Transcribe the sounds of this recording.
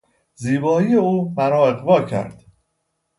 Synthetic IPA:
ziːbɒːiːjeuːmæɾɒːeɣvɒːcʰæ̰ɾd̪̥

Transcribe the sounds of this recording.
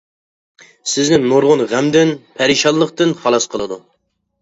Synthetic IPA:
sɪznɪŋnoɾʁʊnʁæmd̪ɪnpʰæɾiʃɑlːˠəχqt̪ɨnχɑlˠɑsqʰəlˠɨd̪u

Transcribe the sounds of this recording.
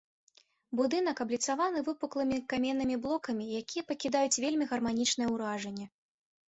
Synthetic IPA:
bud̪ɨn̪ɐkɐblʲit̪savanɨvɨpuklˠɨmʲikamʲɛnːɨmʲiblˠɔkɐmʲijakʲijɛpɐkʲid̪ajut͡sʲvʲelʲmʲiɣɐrmanʲit͡ʂnɨjɛwɾaʐɐnʲːɛ

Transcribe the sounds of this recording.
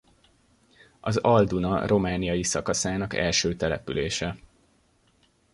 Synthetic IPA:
ɒzɒld̪unɒro̞maːnijɒjisɒkɒsaːnɒkɛ̰lʃøːt̪ɛlɛ̰pyleːʃɛ

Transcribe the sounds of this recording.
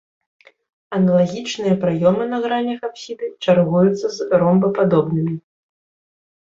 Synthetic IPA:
ɐnɐlˠaɣʲit͡ʂnɨjɐpɾajɔmɨnɐɣɾanʲɐxapsʲid̪ɨt͡ʂarɣujut̪sːɐzɾɔmbɐpad̪ɔbnɨmʲi

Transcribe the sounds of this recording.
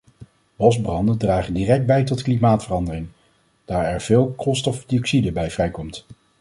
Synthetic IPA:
ʋɔzbrɑndəndraːχəndirɛk̚d̚bɛjtɔtklimaːtfərɑndərɪŋ | d̥aːɹɛɹv̥ɪːlˠkɔlˠstɔfdiɔksidəbɛjvrɛjkɔmt

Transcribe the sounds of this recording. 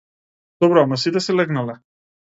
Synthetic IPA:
d̪̥ɔbɾɔamasit̪ɛsɛlɛɡnalɛ

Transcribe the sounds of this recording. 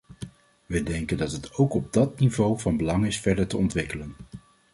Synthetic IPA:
ʋədɛŋkəndɑtɦətowkɔb̚dɑt̚nivowvɑnbəlɑŋɪsfɛɹdəɹtəɔntʋɪkələn

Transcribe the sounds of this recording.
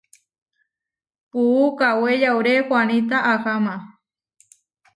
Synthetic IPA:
puːkawejawɾekʷanĩt̪aʔaxamã

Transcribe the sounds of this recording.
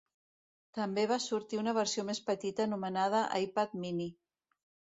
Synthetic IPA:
t̪əmbeβasuɾt̪iunəβ̞əɾsiomespət̪it̪əːnumənað̞əʔajpat̪̚mini

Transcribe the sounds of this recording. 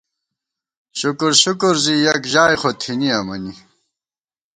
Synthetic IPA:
ɕukuɾɕukuɾzijɐkʑaːjxot̪ʰiniɐmɐni

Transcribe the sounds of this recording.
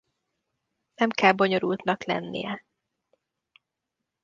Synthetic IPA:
nɛmkɛlbo̞ɲo̞ɾult̪nɒklɛ̰nːḭjɛ

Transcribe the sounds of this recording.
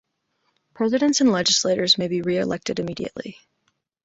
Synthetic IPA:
pʰɹ̥ɛzɨɾɨ̃ntsɨ̃nlɛd͡ʒɨsleɪɾə˞zmeɪbiɹiɨlɛk̚tɨɾɨmiɾḭɨ̰ʔˡlḭ

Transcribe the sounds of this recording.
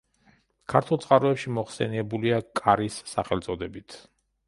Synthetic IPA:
kʰaɾt̪ʰulˠt̪sʼqʼaɾɔɛpʃimɔχsɛniɛbuliakʼaɾisːaχɛlˠt̪sʼɔd̪ɛbit̪ʰ

